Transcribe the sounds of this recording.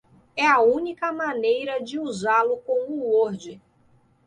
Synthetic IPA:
ɛɐũnikɐmãnejɾɐd͡ʒɪuzalʊkõw̃ʊoɾd͡ʒɪ

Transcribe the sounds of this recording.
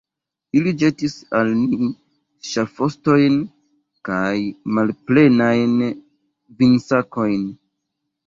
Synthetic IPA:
ilid͡ʒe̞tisalmi | ʃafo̞sto̞jn | kajmalple̞najn | vinsako̞jn

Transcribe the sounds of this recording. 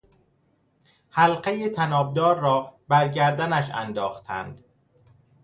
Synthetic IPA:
hælɢejet̪ʰænɒːbd̪ɒːɾːɒːbæɾɟæɾd̪ænæʃæ̰nd̪ɒːxt̪ʰæ̰nd̪̥

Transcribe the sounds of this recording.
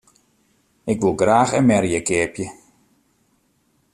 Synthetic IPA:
ʔɪkʋulˠɡraːxɛnmɛɾjəkɪəpjə

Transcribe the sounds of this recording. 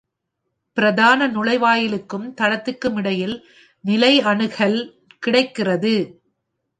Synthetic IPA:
pɪɾɐðaːnɐnʊlɐɪʋaːjɪlɯkːɯmt̪ɐɽɐt̪ːɯkːɯmɪɽɐjɪl | nɪlɐɪɐɳɯɣɐɭ | kɪɽɐɪkːɪrɐðɯ

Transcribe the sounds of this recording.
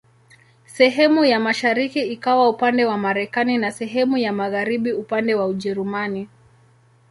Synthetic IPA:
sɛɦɛmujamaʃaɾikiikawaupandɛwamaɾɛkaninasɛɦɛmujamaɣaɾiɓiupandɛwauʄɛɾumani

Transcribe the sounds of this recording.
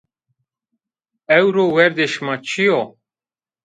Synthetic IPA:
ɛwɾowɛɾd̪eʃmat͡ʃʰijo

